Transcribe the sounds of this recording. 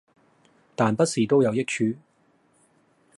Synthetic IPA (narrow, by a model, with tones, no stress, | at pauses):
t̪aː˨npɐ˥t̚siː˨˩t̪o˥wjɐ˨˧wjɪ˥k̚t͡ʃʰyː˨˧